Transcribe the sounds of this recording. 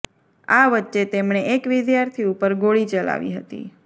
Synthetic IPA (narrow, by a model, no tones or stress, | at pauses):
aʋətːʃet̪emɳeʔekʋɪd̪jaɾt̪ʰiupəɾɡoɭit͡ʃəla̰ʋḭɦət̪ḭ